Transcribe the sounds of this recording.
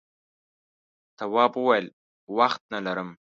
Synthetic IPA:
t̪awɑːbuwajl | waxt̪̚nalaɾəm

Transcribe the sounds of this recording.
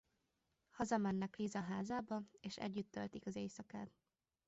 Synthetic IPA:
hɒzɒmɛnːɛklizɒɦaːzaːbɒeːʃɛ̰ɟːyt̪ːø̰lt̪ikɒzeːjsɒkaːt̪

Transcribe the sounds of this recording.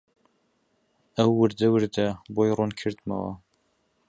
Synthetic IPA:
ɐwːɨɾd̪ɐwɨɾd̪ɐbojroːnkʰɨɾd̪mɐ̰wɐ̰

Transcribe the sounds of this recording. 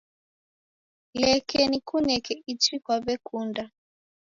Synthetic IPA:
lɛkʰɛnikunɛkɛit͡ʃikwaβɛkunda

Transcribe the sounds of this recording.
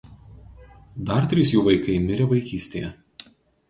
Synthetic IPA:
d̪ɐɾt̪ʲɾʲɪsjuːʋɐɪkɐɪmʲɪɾʲɛʋɐɪkʲiːsʲt̪ʲejɛ

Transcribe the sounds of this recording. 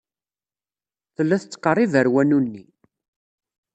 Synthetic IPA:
θəlːæθət͡sːqːərˤːivəɾwænunːi

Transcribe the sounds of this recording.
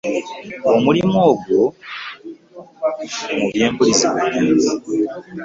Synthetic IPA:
omulimoːɡo | muβje̞ːmpuliziβwakiːzi

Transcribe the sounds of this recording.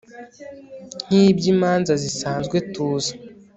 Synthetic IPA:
n̥ibɟimaːnzazisaːnzɡwe̞tuːza

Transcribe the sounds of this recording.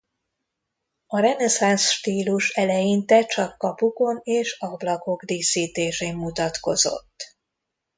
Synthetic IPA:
ɒɾɛnɛsansʃt̪iːluʃɛlɛjint̪ɛt͡ʃɒkːɒpuko̞neːʃɒblɒko̞kd̪iːsiːt̪eːʃeːmːut̪ɒt̪ko̞̰zo̞̰t̪ː

